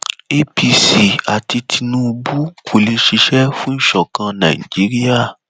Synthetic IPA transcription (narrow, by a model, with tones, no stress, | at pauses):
e˧pi˧si˨a˨ti˧tʰi˧nũ˦u˧bu˦kʰu˨lĩ˧ʃi˧ʃɛ˦fũ˦n̩˦ʃɔ˨kã˧nã̰˨ḭ˨d͡ʒi˨˦ɾi˦a˦˨